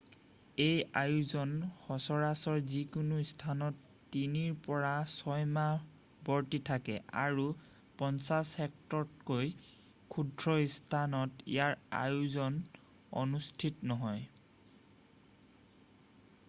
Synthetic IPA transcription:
ejajuzɔnxɔsɔɹasɔɹzikunuistʰanɔtː | iniɹpɔɹasɔjma | bɔɹtitʰakɛ̰a̰ɹu | pɔnsashɛktɔt̚koj | kʰudʱɹɔistʰanɔtḭjaɹa̰juzɔn | ɔ̰nustʰitnɔɦɔj

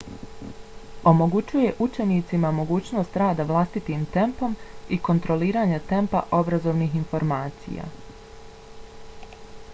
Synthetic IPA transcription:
o̞mo̞ɡut͡ɕuje̞ʔut͡ʃe̞niːt̪simamo̞ɡuːt͡ɕno̞ːst̪ɾaːd̪aʋlˠast̪it̪iːmt̪e̞mpo̞miko̞nt̪ɾo̞liːɾaːɲat̪e̞mpa̰ʔo̞bɾazo̞ːʋniːxinfo̞ɾmaːt̪sḭja̰

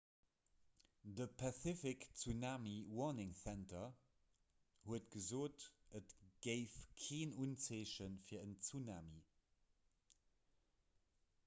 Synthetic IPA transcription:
dəpʰaθɪfɪkt͡sunaːmiwɔnɪŋθæntɐ | huətɡ̥əzoːtʔətɡ̥əɪfkʰeːnunt͡seːʃənfiːɐənt͡sunaːmḭ

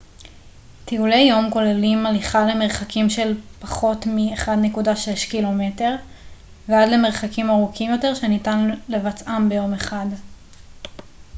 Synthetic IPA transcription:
tiulejo̞mko̞lelimaliχale̞me̞ʁχakimʃe̞lpaχo̞tmieχadne̞kudaʃe̞ʃkilo̞me̞te̞ʁ | veadle̞me̞ʁ̞χakimaʁukʰimjo̞te̞ʁʃe̞nitanlevat͡sʔambe̞jo̞me̞χad

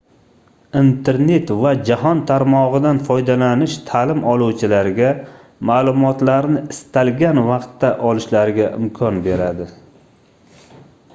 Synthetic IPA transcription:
int̪ʰe̞ɾne̞t̪vad͡ʒaɦɒnt̪ʰaɾmɒʁɨd̪anfɒjd̪alanɪʃt̪ʰalɪmɒlˠuwt͡ʃʰɪlaɾɡʲa | maːlˠʊmɒt̪laɾnɪɪst̪alɡʲanvɑqt̪ːaʔɒlˠɪʃlaɾɪɡʲaʔɪmkʰɒnbe̞ɾad̪ɪ

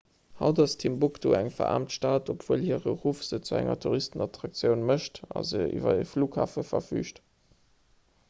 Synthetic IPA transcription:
hɑʊdɑstʰimbukdoːæŋfɐ̰a̰ːmtʃtaːtopʰv̥uːlhiːəʁəʁuːfz̥ət͡suæŋɐ̰tʰuʁistənɑtʁɑk̚t͡sjəʊnməʃtɑ̰zəḭvɐifluːkha̰ːfəfɐfy̰ːʃt

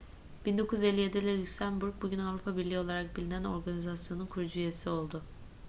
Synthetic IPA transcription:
b̥ind̪o̞kʰuze̞lʲːijed̪ɛlʲɛlʲycʲsænbuɾk̚buɟynavɾupʰabiɾlʲio̞lˠaɾak̚bilʲinæno̞ɾɡanizasjo̞nunkʰuɾud͡ʒuije̞sio̞lˠd̪ʊ

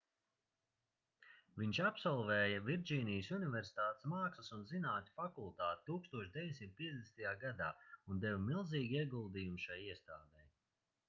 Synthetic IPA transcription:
viɲʃapsɔlˠvɛːjɐviɾd͡ʒiːnijsunivʲɛɾsi̥t̪aːt̪smaːksɐsunzinaːt̪ʲi̥fakulˠt̪aːt̪i̥t̪uːkst̪uɔʃd̪ʲɛveɲʲsimt̪̚pʲiɛd̪ʲesnt̪ajaːɡad̪aːund̪ɛvmilˠziːɡʲiɛɡulˠd̪iːjumʃajiɛst̪aːd̪ɛj

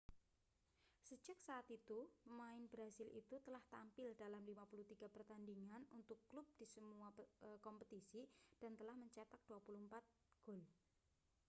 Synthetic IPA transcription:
səd͡ʒak̚saːt̪it̪umaɪnbɾasɪlʔḭt̪ut̪əlaht̪ampɪldalamlimapuluht̪iɡ̥apərt̪andiŋanunt̪ʊkːlʊb̚d̥isəmuakɔmpət̪isid̥ant̪əlahməɲt͡ʃat̪ak̚d̥uapuluəmpat̪̚ | ɡ̥ʊl

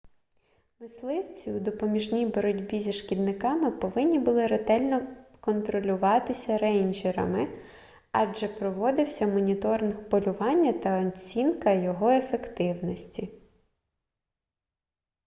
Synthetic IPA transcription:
mɪslˠɪwt͡sʲiud̪ɔpɔmʲiʒnʲijbɔɾɔdʲbʲizʲiʃkʲid̪nɪkɑmɪpɔʋɪnʲːibʊlˠɪɾet̪ɛlʲnɔkɔnt̪ɾɔlʲʊʋɑt̪ɪsʲɐɾɛjnʲd͡ʒɛɾɐ̰mɪ | ɑd͡ʒɛpɾɔʋɔd̪ɪwsʲɐmɔnʲit̪ɔɾnɪxpɔlʲʊʋɑnʲːɐt̪ɐɔt͡sʲinkɐjɔɦɔefekt̪ɪwnɔsʲtʲi

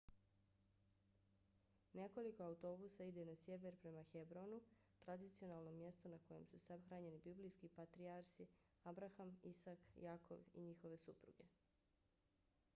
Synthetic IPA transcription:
ne̞ko̞liko̞auwt̪o̞busaid̪enasje̞ʋe̞ɾpɾe̞maxebɾo̞nu | t̪ɾad̪it̪sio̞naːlˠno̞mje̞st̪onako̞je̞̰msusabxɾaːɲe̞nibiblijskipat̪ɾiaɾsi | abɾaxamisakjaːkʰo̰ʋḭɲixo̞ʋe̞supɾṵɡe̞

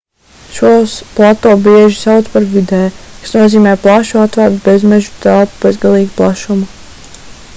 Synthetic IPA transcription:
ʃuɔsplˠat̪ɔːbiɛʒisawt̪spaɾvid̪ɛːkḁsnuɔziːmɛːplˠaʃuat̪vaɾt̪bezmɛʒu̥t̪ælˠpu̥b̥ezɡalˠiːɡuplˠaʃumu

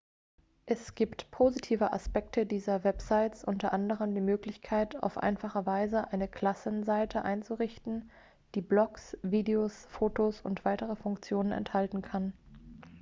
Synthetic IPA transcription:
ʔɛsɡ̥iːptpʰozitʰiːvəʔa̰spɛk̚tʰədiːzɐvɛpz̥aɪt͡sʔʊntɐʔandəʁ̞əmdiːmøːklɪçkʰaɪtʰa̰ʊfʔa̰ɪnfaχəvaɪzəʔaɪnəkʰl̥asənzaɪtʰəʔa̰ɪnt͡suʁɪçtn̩ | d̥iːblɔksviːdeosfoːtosʊ̰ntv̥aɪtəʁəfʊŋkt͡sjoːnənɛ̰nthaltn̩kʰan

